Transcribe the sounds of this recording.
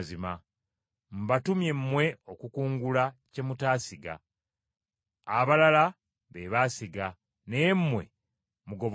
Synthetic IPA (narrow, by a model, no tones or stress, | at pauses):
zima | m̩batumje̞mːwe̞okukuːŋɡulace̞mutaːsiɡa̰ | βalala | βeβasiɡa | nemmwḛ | muɡo̞β